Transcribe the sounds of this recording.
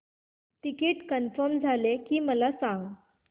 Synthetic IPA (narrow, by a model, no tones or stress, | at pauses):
t̪ikiːʈkənfəɾmd͡zʱalekiːməlasãŋɡ